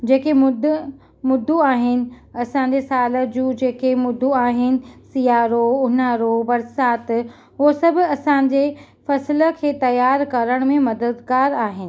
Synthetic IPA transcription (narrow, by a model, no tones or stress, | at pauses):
d͡ʑeːkemʊd̪ | mʊd̪ːuaːɦɪnɪ̆ | ɐsãːɲ̆d͡ʑesaːləd͡ʑũːd͡ʑeːkemʊd̪ʱːuaːɦɪnɪ̆sijaːɾoʊnaːɾobɐɾsaːt̪ | ɦosɐbʱʊ̆ɐsãːɲ̆d͡ʑeː | fɐsɪlə̆kʰeːt̪ɐjaːɾkɐɾəɽ̃mẽmɐd̪əd̪ɡaːɾaːɦɪnɪ̆